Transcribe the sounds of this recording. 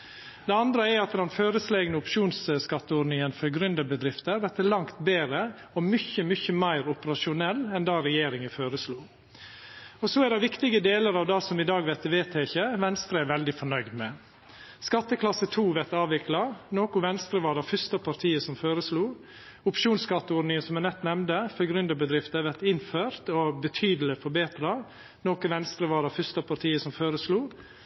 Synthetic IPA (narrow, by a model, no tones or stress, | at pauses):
d̪ɛɑnd̪ɾəɛɾɑt̪d̪ɛnføːɾəsleːɡnəʊpʃuːnsəskɑt̪ːəɔɖnɪŋənfœɾɡɾʏnd̪əbəd̪ɾɪft̪əɾʋɛt̪ːəlɑŋt̪beːɾə | ɔmʏçəmʏçəmæɪɾʊpəɾɑʂʊnɛlːɛnd̪ɑːɾɛjeːɾɪŋəføːɾəsluː | ɔsɔɛɖɛʋɪkt̪ɪɡəd̪eːləɾɑːʋd̪ɑsɔmɪd̪ɑːɡʋɛt̪əʋeːt̪ʰɛçəʋɛnst̪ɾəæɾʋɛld̪ɪfɔɳœʏɡd̪mɛ | skɑt̪ːəkʰlɑsət̪ʰuːʋɛt̪ɑːʋʋɪklɑnoːkʊʋɛnst̪ɾəʋɑːɾɑfʏst̪ɑpʰɑɾt̪ʰiːəsɔmføːɾəsluː | ʊpʃuːnskɑt̪ːəɔɾnɪŋənsɔmɛnɛt̪ːnɛmnd̪əfœɡɾʉnd̪əbəd̪ɾɪft̪əʋɛt̪ɪnføːɾt̪ɔbət̪ʰyːd̪əl̩ɪfɔɾbeːt̪ɾɑ | noːkəʋɛnst̪ɾəʋɑːɾɑfʏst̪ɑpʰɑɾt̪ʰiːəsɔmføːɾəsluː